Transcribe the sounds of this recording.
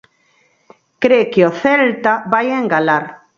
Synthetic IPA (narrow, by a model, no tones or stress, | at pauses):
kɾekeoθelt̪abajeŋɡalaɾ